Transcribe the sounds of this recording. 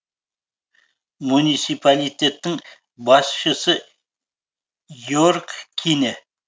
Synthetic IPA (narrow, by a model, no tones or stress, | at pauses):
munit̪sipʰalijt̪ʲe̞t̪ːɪŋ | bɑsʃəsə | joɾkkʲʰenɪ